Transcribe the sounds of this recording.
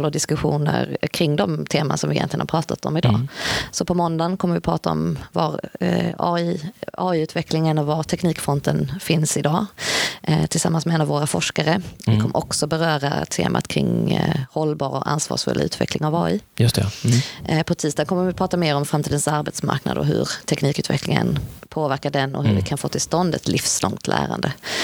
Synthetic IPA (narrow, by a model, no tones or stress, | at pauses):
lɔd̪ɪskɵɧuːnə̰ɾkʰɾɪŋd̪ɔmt̪ʰeːmansɔmvɪjɛ̰nlɪɡənapʰɾɑːt̪ʰat̪ɔmɪd̪ɑ̰ːsɔpʰɔmɔnd̪ankʰɔmːəɾvɪpʰɾɑːt̪aɔ̰mvaɾɑːiɑːiʉ̟ːt̪vɛkʰlɪŋənɔvaɾt̪ʰɛkniːkfɔnt̪ənfɪnsɪd̪ɑː | t̪ʰɪlsamːansmɛɛnavoːɾafɔʂkaɾəɪkʰɔmːəɾʔɔksɔbɛɾœːɾa̰t̪ʰḛːmʔa̰t̪kʰɾɪŋhɔlːbɑːɾɔʔa̰nsvɑ̰ːʂfɵ̰lʔʉ̟ːt̪vɛ̰klɪŋavɑːiːjst̪ | pʰɔt̪ʰiːst̪ɑd̪kʰɔmːəɾvɪpʰɾɑːt̪ameːɾɔmfɾamt̪ʰiːd̪ənsaɾbɛt̪sma̰ɾkna̰d̪ɔɦɵ̰ɾt̪ʰɛkniːkʉ̟ːt̪vɛklɪŋə̰npʰoːvæɾkaɖɛnɔ̰ɦɵɾvɪkʰanfoːt̪ʰɪlst̪ɔnd̪ɛt̪lʔɪfslɔŋt̪ʰlʔæ̰ːɾand̪ə